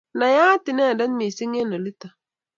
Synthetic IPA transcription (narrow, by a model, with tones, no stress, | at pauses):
na˨jaː˦tɪ˨nɛ˦˨da˦n˦mi˨si˦ŋ˦e˦na˨li˦ta˨